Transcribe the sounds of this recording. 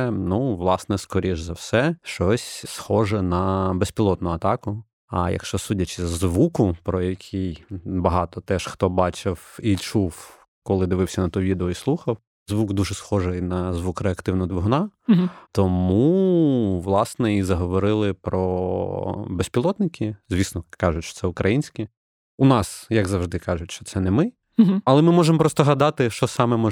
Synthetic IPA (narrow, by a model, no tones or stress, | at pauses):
nuʋlˠɑsnɛskɔɾʲʔiʒzɐwsɛʃt͡ʃɔsʲsxɔʒɛnɐbespʲilˠɔt̪nʊɐt̪ɑkʊ | ɐ̰jɐ̰kʃt͡ʃɔsudʲɐt͡ʃɪzʋukʊpɾɔjɐkʲʰijbɐɦɑt̪ɔt̪ɛʃxt̪ɔbɑt͡ʃɪwit͡ʃuw | kɔlˠɪd̪ɪʋɪwsʲɐnɐt̪uʋʲid̪eɔislˠuxɐw | zʋuɡd̪uʒɛsxɔʒɛjnɐzʋukɾeɐkt̪ɪwnɐd̪ʋɔɦnɑt̪ɔmu | ʋlˠɑsnɛizɐɦɔʋɔɾɪlˠɪpɾɔ̰ | besʲpʲilˠɔt̪nɪkʲʰɪzʋʲisnɔkɑʒʊtʲt͡ʃɔ̥sɛʊkɾʔɐjinʲsʲkʲi | unɑsjɐɡzɐwʐd̪ɪkɑʒʊtʲʃt͡ʃɔt̪sɛnɛmɪ | ɐlˠɛmɪmɔʒemɔpɾɔst̪ɔɦɐd̪ɑt̪ɪʃt͡ʃɔsɑmɛmɔ